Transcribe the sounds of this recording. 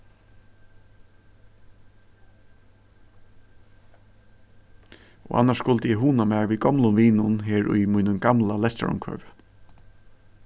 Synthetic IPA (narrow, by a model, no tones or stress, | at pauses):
ɔ̰ʔa̰nːaʂskʊlt̪əjɛɦuːnamɛːɹʋiɡɔmlʊmʋiːnʊnɦeːɹʊ̰jmuːnʊmɡamlalɛst̪ɾʊ̰mkʰœ̰ːv